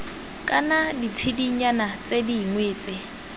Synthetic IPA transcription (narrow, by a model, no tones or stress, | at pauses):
kʼanadit͡sʰidiɲanat͡sʼediŋweːt͡sʼɪ